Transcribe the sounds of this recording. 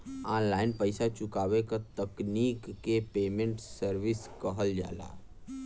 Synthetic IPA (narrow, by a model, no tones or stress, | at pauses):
aːnlaːɪnpəɪsat͡ʃʊkaːʋekat̪əkniːkːepeːmẽɳʈsəɾʋɪskəɦəld͡ʒa̰ːla̰ː